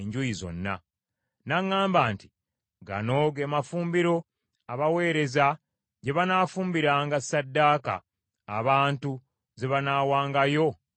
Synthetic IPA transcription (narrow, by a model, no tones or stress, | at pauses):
ɲɟujizo̞̰nːa̰ | naŋːaːmbaːnti̥ | ɡa̰no̞ɡemafuːmbiɾo̞ | aβawe̞ːɾe̞za | ɟe̞βanaːfuːmbiɾaːŋɡasːadːaːka̰ː | βaːntu | ze̞βanaːwaːŋɡajo̞